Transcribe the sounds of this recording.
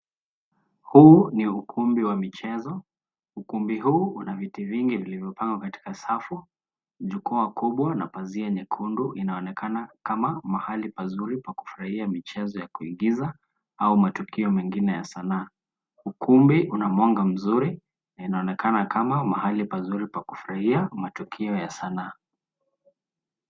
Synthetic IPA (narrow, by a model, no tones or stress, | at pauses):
huːniukʰumbiwamit͡ʃɛzɔ | ukumbiɦuːunavitiviŋɡivilivjɔpaŋɡwakati̥kasafu | ʄukuakuɓwana̰paziaɲikʰunduʔinaɔnɛkʰanakamamahalipazuɾipaku̥fuɾahiamit͡ʃɛzɔjakuḭɡiza | aumatukiɔmɛŋɡinɛjasanaː | ukumbiʔunamɔŋɡam̩zuɾi | nainaɔnɛkʰanakamamahalipazuɾipakufuɾahiamatukʰiɔjasanaː